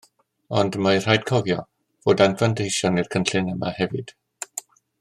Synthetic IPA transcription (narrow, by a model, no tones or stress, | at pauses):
ɔndmajr̥ajd̚kʰɔvjɔ | v̥oːdanflandejʃjɔnirkʰənɬɨnəma̰hɛvɨd̥